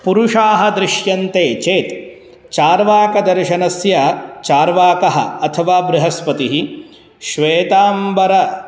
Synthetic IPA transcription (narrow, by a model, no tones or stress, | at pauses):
puɾuʂaːɦɐd̪ɾɪʃjɐnt̪eːt͡ʃeːt̪ | t͡ʃaːɾʋaːkɐd̪ɐɾʃɐnɐsjɐt͡ʃaːɾʋaːkɐɦɐ̰ɐt̪ʰɐʋaːbɾɪɦɐspɐt̪iɦi | ʃʋeːt̪aːmbɐɾɐ